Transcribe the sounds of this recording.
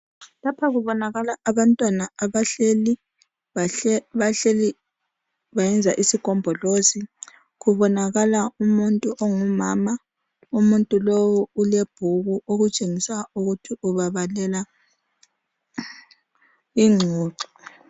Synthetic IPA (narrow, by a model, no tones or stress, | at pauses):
lapʰaɣuβɔnaɣalaːβantʼwanaaβaɬeli | aβaɬeli | βajɛnd͡zʱaʔisikʼɔmbʱɔlosi | ɣuβɔnaɣalaumuntʼuʔɔŋumaːma | umuntʼulowuuleb̥ʱuɣuʔoɣut͡ʃʼeŋisauɣutʰiʔuβaβalɛla | iŋ͡ǀʱuːǀɔ̥